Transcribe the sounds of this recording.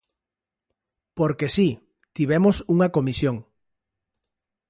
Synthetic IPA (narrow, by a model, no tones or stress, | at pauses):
poɾkesi | t̪iβ̞emosuŋɐkomisjoŋ